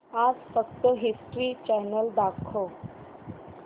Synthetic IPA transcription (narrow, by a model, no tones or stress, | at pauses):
ad͡zfəkt̪əɦisʈɾiːt͡ɕɛnəld̪akʰo